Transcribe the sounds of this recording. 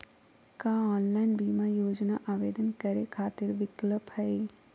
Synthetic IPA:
kaɔːnlaːɪnbiːmajoːd͡ʒnaʔaːʋeːd̪ənkɐɾekʰaːt̪ɪɾʋɪkləphɛi

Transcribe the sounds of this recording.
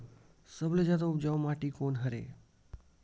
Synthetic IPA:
səbləd͡ʒat̪̬oupd͡ʒaʋmaʈikonɦəɾḛ

